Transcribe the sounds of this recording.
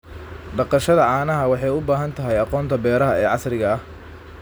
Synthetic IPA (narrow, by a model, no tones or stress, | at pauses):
ɖɑqɑʃɐðɐʕɑːnɐɦɐwɑħɑjʊbaːɦɐnt̪ʰɐɦɛjɑqɔːnt̪ʰɐbɛːɾɐɦɐɛːʕɑsrɪɣɐɐh